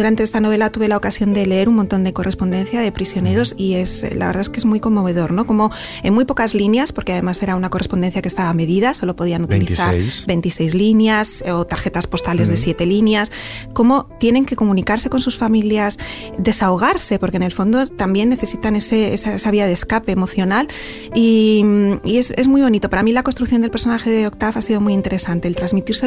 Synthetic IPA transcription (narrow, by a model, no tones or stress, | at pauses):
d̪uɾant̪e̞est̪ano̞βe̞lat̪uβe̞laokasjo̞nd̪e̞le̞e̞ɾunmont̪o̞nd̪e̞ko̞rʔe̞spo̞nd̪e̞nθjaðe̞pɾisjone̞ɾo̞sie̞sla̰βɾð̞aeskezmuijko̞mːo̞β̞e̞ð̞o̞ɾno̞ko̞mo̞ | enmujpo̞kazlinjaspo̞ɾke̞að̞e̞mase̞ɾaunako̞respo̞nd̪e̞nθjakest̪aβame̞ðiðaso̞lo̞po̞ð̞ianut̪iliθaɾsbe̞nt̪ise̞jzlinjasot̪aɾe̞t̪aspo̞st̪ale̞zðe̞sje̞t̪e̞linjasko̞mo̞t̪je̞ne̞ŋke̞ko̞mũnikaɾse̞ko̞nsusfamiljas | d̪e̞saoɣ̞aɾse̞po̞ɾkene̞lfo̞nd̪ot̪ambje̞nːe̞θe̞sit̪ane̞seesaesaβiað̞eskape̞ːmo̞θjo̞nal | i | ie̞ze̞zmujβ̞o̞nit̪o̞paɾamilako̞nst̪ɾukθjond̪elpe̞ɾso̞naxe̞ðeok̚t̪afasiðo̞mujint̪e̞ɾe̞sant̪e̞ːlt̪ɾazmit̪iɾse